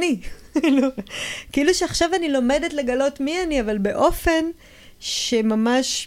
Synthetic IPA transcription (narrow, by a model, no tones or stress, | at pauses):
nikilukiiluʃeaχʃavanilo̞me̞detle̞ɡalo̞tmianiavalbe̞ʔo̞fe̞n | ʃemamaʃ